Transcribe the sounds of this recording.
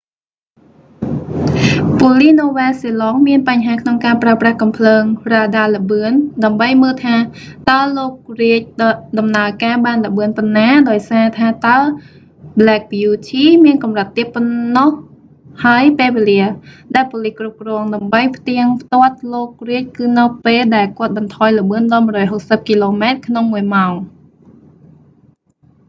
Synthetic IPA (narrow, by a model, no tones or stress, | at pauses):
poəlihnoːʋaːlsilɔːŋmiənpaɲɦaːkʰnoŋkaːpraəprahkɑmpʰləːŋraːɗaːləɓɨənɗaəmɓəjməːlt̪ʰaːt̪aəloːk̚riəc̚ɗɗɑmnaəkaːɓaːnləɓɨənponːaːɗaɔjsaːt̪ʰaːt̪aə | blɛːk̚bijuːt̪ʰiːmiənkɑmrət̪ːiət̪̚pːonːoh | haəjpeːlʋeːliəɗaɛlpoːlihkrup̚krɔəŋɗaəmɓəjpʰt̪iəŋpʰt̪ŏət̪̚loːk̚riəc̚kɨːnɨwpeːlɗaɛlkŏət̪̚ɓɑnt̪ʰɑːjlə̆ɓɨənɗɑːlmuərɔːjɦok̚səp̚kiloːmaɛt̪̚kʰnoŋmuəjmaɔŋ